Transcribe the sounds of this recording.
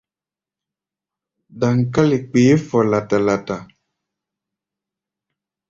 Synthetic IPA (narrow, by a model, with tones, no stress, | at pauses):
da˨ŋ̩˨ka˦le˨k͡peː˨˦fɔ˨la˨ta˨la˨ta˨